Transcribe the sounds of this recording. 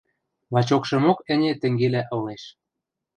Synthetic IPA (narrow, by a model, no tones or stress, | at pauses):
lɑt͡ɕokʃɤ̆mokə̆nʲĕt̪ɘ̆ŋɡelæʔɤ̆leʃ